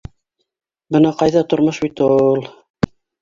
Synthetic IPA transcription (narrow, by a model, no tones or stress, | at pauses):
bɤnɑqɑjðɑt̪ŏɾmoʃbit̪ulˠ